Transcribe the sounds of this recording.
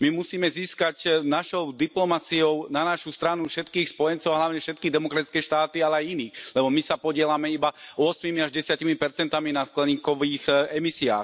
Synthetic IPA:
mimusiːmɛziːskacnaʃɔʊd̪iplɔmat͡siɔʊnanaʃust̪ɾanufʃɛt̪kiːxspɔjɛnt͡sɔʊaɦlaʊɲɛfʃɛt̪kiːɣd̪ɛmɔkɾat̪i̥t͡skɛːʃt̪aːt̪ialɛajiniːxlɛbɔmisapɔɟɪɛlamɛibaɔsmimiaʒɟɛsɪaciːmipɛɾt͡sɛnt̪aminasklɛɲiːkɔʋiːxɛmisia̰ːx

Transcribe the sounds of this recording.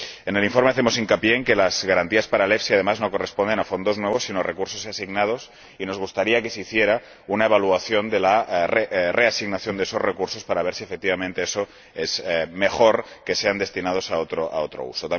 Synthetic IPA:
ene̞liɱfoɾme̞aθemo̞siŋkapjeːŋke̞lazɣaɾant̪iaspaɾalefsiað̞e̞mazno̞ko̞respond̪e̞nafond̪o̞znweβ̞o̞sːinorekuɾso̞sasiɣnað̞o̞s | ino̞zɣust̪aɾiake̞seiθje̞ɾa | unaeβ̞aluaθjo̞nd̪e̞larere̞asiɣnaθjo̞nd̪eeso̞zrekuɾso̞spaɾaβ̞eɾsiefek̚t̪iβamẽnt̪e̞eso̞ | ezme̞xo̞ɾke̞se̞and̪e̞st̪inað̞o̞saot̪ɾoa̰ot̪ɾo̰ṵso̞t̪a

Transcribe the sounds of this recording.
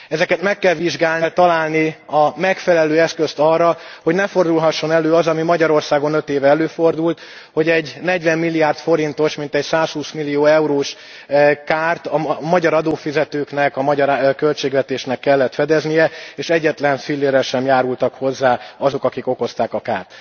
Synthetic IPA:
ɛzɛkɛt̪mɛkːɛlʋiʒɡaːllt̪ɒlaːlniɒmɛkfɛlɛløːɛskøst̪ɒrːɒho̞ɟnɛfo̞rd̪ulɦɒʃːo̞nɛløːɒzɒmimɒɟɒɾo̞rsaːɡo̞nøt̪eːvɛɛløːfo̞rd̪ult̪ | ho̞ɟɛɟnɛɟvɛmːilːiaːrt̪fo̞ɾint̪o̞ʃmint̪ɛcsaːshuːsmilːijoːɛuɾoːʃ | kaːrt̪ɒmɒɟɒɾɒd̪oːfizɛt̪øːknɛkɒmɒɟɒɾkølt͡ʃeːɡvɛt̪eːʃnɛkːɛlːɛt̪fɛd̪ɛznijɛeːʃɛɟːɛt̪lɛnfilːeːɾɛʃɛmjaːɾult̪ɒkho̞zːaːɒzo̞kɒkiko̞ko̞st̪aːkɒka̰ːrt̪

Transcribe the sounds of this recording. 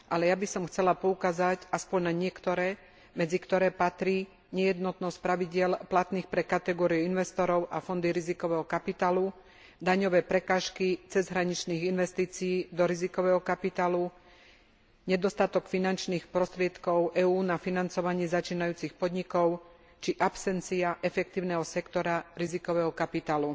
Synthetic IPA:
ʔalɛjabisɔmxt͡sɛlapɔukaːzacaspɔɲnaɲɪɛkt̪ɔɾɛː | mɛd͡zikt̪ɔɾɛːpat̪ɾiː | ɲɛjɛd̪nɔt̪nɔsc̚pɾaʋiɟɪɛlplat̪niːxpɾɛkat̪ɛɡɔːɾiuinʋɛst̪ɔɾɔʊʔafɔnd̪iɾizikɔʋɛːɦɔkapit̪aːlu | d̪aɲɔʋɛːpɾɛkaːʃkit͡sɛzɦɾaɲit͡ʃniːɣinʋɛst̪iːt͡sijiːd̪ɔɾizikɔʋɛːɦɔkapit̪aːlu | ɲɛd̪ɔst̪at̪ɔkfinant͡ʃniːxpɾɔst̪ɾɪɛt̪kɔʊʔɛːuːnafinant͡sɔʋaɲɪɛzat͡ʃiːnajuːt͡sixpɔd̪ɲikɔʊ | t͡ʃiʔapsɛnt͡siaʔɛfɛk̚t̪iːʊnɛːɦɔsɛkt̪ɔɾaɾizikɔʋɛːɦɔkapit̪aːlu

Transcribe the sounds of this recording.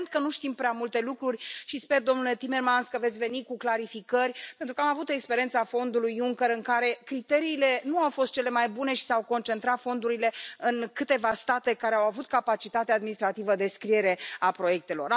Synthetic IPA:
nt̪̚kənuʃt̪impɾʲeamult̪e̞lukɾurʲʃispe̞rd̪o̞mnule̞t̪ime̞rmanskəve̞t̪sʲve̞nikuklaɾifikərʲpe̞nt̪ɾukəamavut̪e̞kspeɾijent̪safo̞nd̪ulujuŋkəɾɨŋkaɾe̞kɾit̪e̞ɾiːle̞nuawfo̞st̪̚t͡ʃe̞le̞majbune̞ʃi̥sawko̞nt͡ʃe̞nt̪ɾat̪fo̞nd̪uɾile̞ɨnkɨt̪e̞vast̪at̪e̞kaɾeawavut̪kapat͡ʃit̪at̪ead̪minist̪ɾat̪ivəd̪e̞skɾie̞ɾe̞apɾo̞je̞k̚t̪e̞lo̞̰r

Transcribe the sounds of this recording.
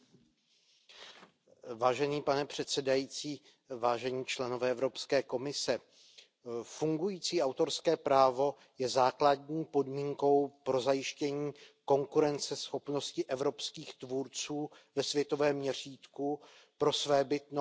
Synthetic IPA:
vaːʒɛniːpanɛpr̝̥ɛt̪sɛdajiːt͡siː | vaːʒɛɲiːt͡ʃlɛno̞vɛːɛvɾo̞pskɛːko̞mɪsɛ | fuŋɡujiːt͡siːʔawt̪o̞ɾskɛːpɾaːvo̞ | jɛzaːkladɲiːpo̞dmiːŋko̞wpɾo̞zajɪʃcɛɲiːko̞ŋkuɾɛnt͡sɛsxo̞pno̞scɪʔɛvɾo̞pskiːxt̪vuɾt͡suː | vɛsvjɛt̪o̞vɛːmɲɛr̝iːt̪ku | pɾo̞svɛːbɪt̪no

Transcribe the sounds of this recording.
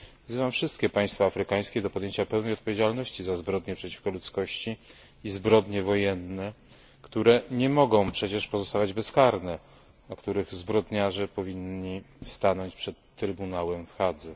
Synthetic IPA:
vzɘvamfʂɘst̪kʲɛpaj̃st̪faːfɾɘkaj̃skʲɛd̪ɔpɔd̪jeɲt͡ɕapɛwnɛjɔt̪̚pɔvʲjed͡ʑalnɔɕt͡ɕizazbɾɔd̪ɲɛpʂɛt͡ɕi̥fkɔlut̪skɔɕt͡ɕi | izbɾɔd̪ɲɛvɔjɛnːɛ | kt̪uɾɛɲɛmɔɡɔ̃w̃pʂɛt͡ɕɛʂpɔzɔst̪avad͡ʑbɛskaɾnɛ | akt̪uɾɘɣzbɾɔd̪ɲaʐɛpɔvʲiɲːi | st̪anɔɲt͡ɕpʂɛt̪ːɾɘbunawɛmfxad̪zɛ

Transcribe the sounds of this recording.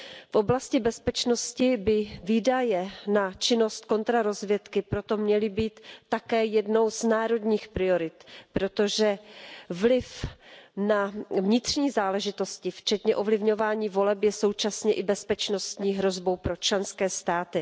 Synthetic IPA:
fʔo̞blascɪbɛspɛt͡ʃno̞scɪbɪviːdajɛnat͡ʃɪno̞st̪̚ko̞nt̪ɾaɾo̞zvjɛt̪kɪpɾo̞t̪o̞mɲɛlɪbiːt̪ːakɛːjɛdno̞wznaːɾo̞dɲiːxpɾɪo̞ɾɪt̪pɾo̞t̪o̞ʒɛvlɪfnavɲɪt̪r̝̥ɲiːzaːlɛʒɪt̪o̞scɪft͡ʃɛt̪ɲɛʔo̞vlɪvɲo̞vaːɲiːvo̞lɛpjɛso̞wt͡ʃasɲɛʔɪbɛspɛt͡ʃno̞st̪ɲiːɦɾo̞zbo̞wpɾo̞t͡ʃlɛnskɛːst̪aːt̪ɪ

